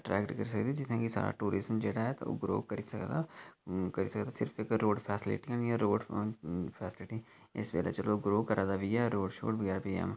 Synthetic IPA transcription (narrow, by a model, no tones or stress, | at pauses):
əʈɾɛːkʈkəɾisəkd̪id͡ʒɪt̪ʰẽːkisa̰ːɾa̰ːʈuːɾɪzmd͡ʒeːɽaːɦɛt̪ao̰ːɡɾo̰ːkəɾisəkd̪a | kəɾiːsəkd̪aːsɪɾfʰɪkɾoːɖpʰɛːsɪlɪ̰ʈiaːnĩɛɾoːɖ | pʰɛːsɪlɪʈi | ɪsbḛːla̰ːt͡ʃəloɡɾoːkəɾaːd̪aːʋiɛɾoːɖʃo̰ːʈbəɡɛːɾapiɛ̰ːm